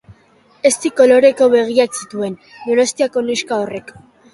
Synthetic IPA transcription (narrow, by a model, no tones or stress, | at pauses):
e̞st̪iko̞lo̞ɾe̞ko̞βe̞ɣ̞iaksit̪ue̞n | d̪onost̪iako̞nuskaore̞k